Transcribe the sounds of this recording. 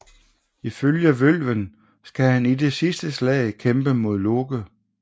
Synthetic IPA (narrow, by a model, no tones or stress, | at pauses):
iføljæʋøl̰ʋən | sɡ̥æhænide̝sisd̥əslɛ̰ɪkʰemb̥əmo̝ð̞̰ˠlo̝ɡ̥ə